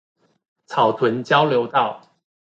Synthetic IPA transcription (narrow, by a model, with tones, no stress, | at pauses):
t͡sʰɑ˨˩ʊt̪ʰwə˨˦nt͡ɕjɑ˥ʊljo˧˥ʊt̪ɑ˥˨ʊ